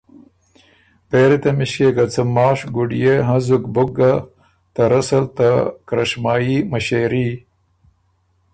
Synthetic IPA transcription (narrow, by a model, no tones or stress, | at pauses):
peːɾit̪ɐmiɕkekɐt͡sɐmɑːʂɡuɖijeɦɐ̃zukbuɡɐ | t̪ɐɾɐsɐlt̪akɾɐʂmaːimɐɕeːɾi